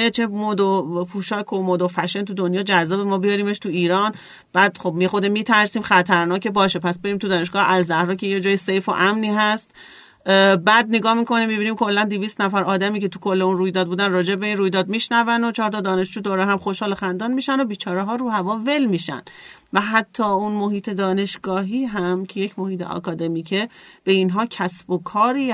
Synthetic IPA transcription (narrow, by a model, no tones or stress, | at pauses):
et͡ʃʰemod̪opʰuːʃɒːkʰomoːd̪ofæʃent̪ʰud̪onjɒːd͡ʒæzːɒːbemɒːbijɒɾiːmeʃt̪ʰuiːɾɒːn | b̥æːd̪χobmexod̪emːiːt̪ʰæɾsiːmxæt̪ʰæɾnɒːcebɒːʃe̞pʰæsbe̞ɾiːmt̪ʰud̪ɒːne̞ʃ̬ɡ̥ɒːʔælzæhɾɒːcʰejed͡ʒɒːjesejfo̰ʔæmniːɦæst̪ | bæːd̪̚neɡɒːhmiko̞nimːibiːniːmkʰo̞lːænd̪iviːst̪næfæɾɒːd̪æmiːce̞t̪ʰukʰo̞lːeunruːjd̪ɒːd̪buːd̪ænrɒːd͡ʒebe̞inruːjd̪ɒːd̪̚miʃnævændo̞t͡ʃʰɒːɾt̪ɒd̪ɒːne̞ʃd͡ʒuːd̪oɾeɦæmxo̞ʃhɒːlexænd̪ɒːnmiːʃænobiːt͡ʃʰɒːɾeɦɒːɾuːhævɒːvelmiːʃæ̰n | væɦæt̪ʰːɒːunmo̞ɦiːt̪ʰe̞d̪ɒːne̞ʃɡ̥ɒːɦiːɦæmcʰejecʰmo̞hiːt̪ʰḛʔɒ̰ːkɒːd̪e̞miːcʰeb̥e̞inɦɒːcʰæsb̥okʰɒːɾiː